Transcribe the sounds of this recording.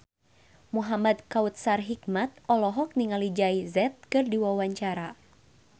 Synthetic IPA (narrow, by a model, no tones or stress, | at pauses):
muɦamad̪kaut̪̚sarɦikmat̪̚ɔlɔɦɔk̚niŋalid͡ʒaizɛt̪̚kɨrdiwawaɲt͡ʃaɾa